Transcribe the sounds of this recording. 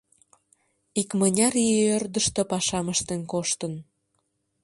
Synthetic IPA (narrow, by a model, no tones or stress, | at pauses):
ikmənʲɑɾeørd̪əʃt̪epɑʃɑməʃt̪enkoʃt̪ən